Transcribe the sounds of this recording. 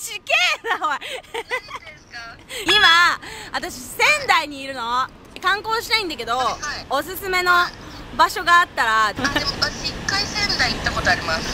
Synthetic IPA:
ɕikeːnao | imaβat̪aɕisẽ̞nd̪aiɲ̟iːɾɯ̟no̞ | kãŋko̞ːɕi̥naĩnd̪ake̞d̪o̞ːsɨsɨme̞no̞ | baɕo̞ɡaːt̪ːaɾaaɕikːaisẽ̞nd̪aiit̪ːako̞t̪oaɾʲimasɨ̥

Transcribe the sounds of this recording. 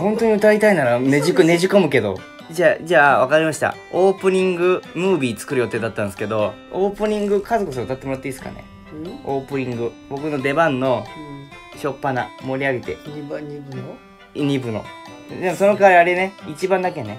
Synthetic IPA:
ɦõ̞nt̪o̞ɲ̟iɯ̟t̪ait̪ainaɾaneikne̞ʑiko̞mɯ̟ke̞d̪o̞̰ | d͡ʑaːd͡ʑaːβakaɾʲimaɕi̥t̪a̰ | o̞ːpɯ̟ɲ̟ĩŋɡɯ̟mɯ̟ːbʲiːt͡sɨ̥kɯ̟ɾɯjo̞t̪e̞ːd̪at̪ːãñsɨ̥ke̞d̪o̞ | oːpɯ̟ɲ̟ĩŋɡɯ̟kʰazo̞kɯs̬ɨɾot̪at̪ːemoɾat̪ːeiːsɨ̥ka̰nḛ | oːpɯ̟ɲ̟ĩŋɡɯ̟ | bo̞kɯ̟no̞d̪e̞bãnːo̞ | ɕo̞pːanamo̞ɾʲiaɡit̪e̞̰ | ɲ̟ibɯ̟no̞̰d̪e̞mo̞so̞no̞kaːɾʲiaɾene̞it͡ɕibãnd̪ake̞ne̞

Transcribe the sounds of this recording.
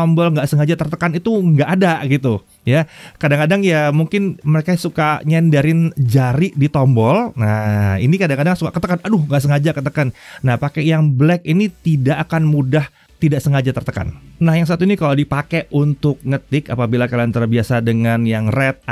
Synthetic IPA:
ɔmbɔlŋɡaʔsəŋad͡ʒat̪ərt̪əkanit̪uŋɡaʔadaɡit̪u | jakadaŋkadaŋjamuŋkɪnməɾekasukaɲandaɾɪnd͡ʒaɾiʔdit̪ɔmbɔlnaḭnikadaŋkadaŋsukaʔkət̪əkanadʊhŋɡaʔs̬əŋad͡ʒakət̪əkanːahpakɛjaŋblɛkinit̪idaʔːkanmudah | t̪idaʔsəŋad͡ʒat̪ərt̪əka̰nnahjaŋs̬at̪uinikaladipakɛʔunt̪ʊk̚ŋət̪ɪkapabilakalant̪əɾbiasadəŋanjaŋrɛt̪̚

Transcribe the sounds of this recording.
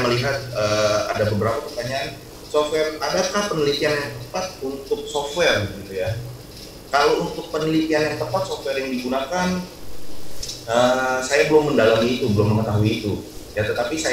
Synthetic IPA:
məliɦat̪̚əːa̰dabəbəɾapapərt̪aɲaʔan | sɔfwɛradakahpənilit̪ianjaŋt̪əpat̪̚unt̪ʊk̚sɔft̪wɛrɡit̪uja | kalount̪ʊk̚pənilit̪ianjaŋt̪əpat̪̚sɔft̪wɛrjaŋdiɡunakan | ʔəsajabəlʊmːəndalamiːt̪ubəlʊmːəŋət̪aɦuiːt̪ujat̪ət̪apisa

